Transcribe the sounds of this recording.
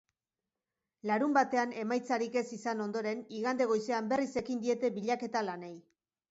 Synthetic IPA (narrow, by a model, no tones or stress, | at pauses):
laɾumbat̪e̞ane̞majt͡saɾike̞sisano̞nd̪o̞ɾe̞niɣand̪e̞ɣ̞o̞jseambe̞rise̞kind̪ie̞t̪e̞βiʎake̞t̪alane̞j